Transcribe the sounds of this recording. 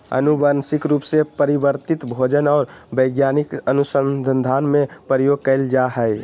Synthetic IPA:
ə̰nubənsikɾupsepəɾibəɾt̪it̪bʱod͡ʒənaʊɾbəɪɡjanikənusəd̪ʱənd̪ʱanmepɾəjoɡ̚kəɪld͡ʒaɦəj

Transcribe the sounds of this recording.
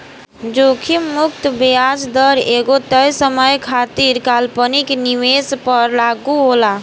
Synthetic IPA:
d͡ʒokʰimʊkt̪bead͡ʒd̪əɾeɡot̪əjsəməjkʰat̪iɾkalpənikniʋespəɾlaɡuɦola

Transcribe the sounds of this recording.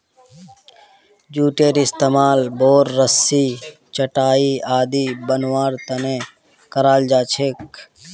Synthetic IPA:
d͡ʒuːʈeːɾɪst̪eːmaːlboːɾːəsːi | t͡ʃəʈaːiaːd̪iːbənwaːɾt̪ɐne | kəɾaːld͡ʒaːt͡ʃʰek̚

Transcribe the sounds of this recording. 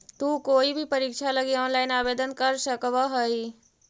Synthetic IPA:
t̪uːkoːibʱipɐɾikʃalɐɡiɔːnlaːɪnaːbeːd̪ənkəɾʃəkʋaɦəi

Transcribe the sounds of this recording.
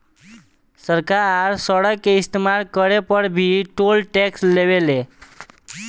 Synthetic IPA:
səɾkaɾaɾsəɽəkːeist̪imaɾkəɽepəɽbʱiːʈolʈɛksleʋele

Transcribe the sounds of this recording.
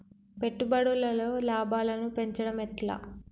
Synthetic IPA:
pe̞ʈːubɐɽulːɐlo̞ːlaːbʱaːlɐnupe̞ɲt͡ʃɐɽɐmɛʈla̰ː

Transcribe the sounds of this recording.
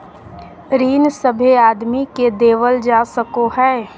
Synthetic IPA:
ɾiːnsəbʱeaːd̪miked̪eːʋəld͡ʒaːsəkoɦɛː

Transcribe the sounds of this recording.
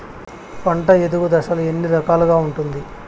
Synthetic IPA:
pɐɳʈɐed̪uɡud̪ɐʃɐlue̞nːiɾɐkaːluɡaːuɳʈund̪i

